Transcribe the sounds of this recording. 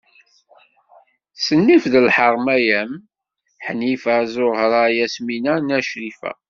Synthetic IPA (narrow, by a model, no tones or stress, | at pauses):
sənːifðəlħəʁˤmæjæm | ħnifæzʊhɾˤɑjæsminænæʃɾifæ̰